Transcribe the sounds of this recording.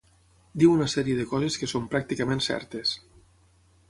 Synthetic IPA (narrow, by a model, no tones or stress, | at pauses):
d̪iwunasɛɾieðəkɔzeskəsompɾak̚t̪ikamẽnsɛ̰ɾt̪es